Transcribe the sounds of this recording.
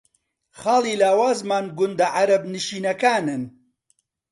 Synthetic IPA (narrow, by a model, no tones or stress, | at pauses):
χaːlˠiːlaːwaːzmaːnɡʊnd̪ɐʕaɾɐbnɨʃiːnɐkaːnɨn